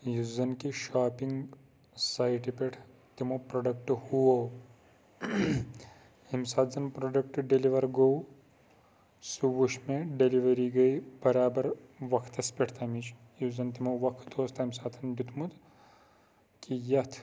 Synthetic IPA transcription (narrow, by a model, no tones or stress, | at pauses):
juzɐnkiʃaːpiŋɡ | saːiʈipeʈʰ | t̪imopɾoɖɐk̚ʈhuo | himsaːt̪zɐnpɾoɖɐk̚ʈɖeliʋɐɾɡow | suʋuʃmẽɖeliʋɐɾiɡɐibɐɾaːbɐɾ | ʋɐkʰt̪ɐspeʈʰt̪ʰɐmit͡ʃʰ | juzɐnt̪imoʋɐkʰd̪ʰoːst̪ɦimsaːt̪ʰɐnbut̪mut̪ | kijɐt̪ʰ